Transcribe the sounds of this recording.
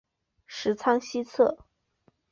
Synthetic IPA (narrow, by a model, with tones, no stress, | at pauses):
ʂɻ̩˧˥t͡sʰɑ˥ŋɕi˥t͡sʰɤ̰˥˩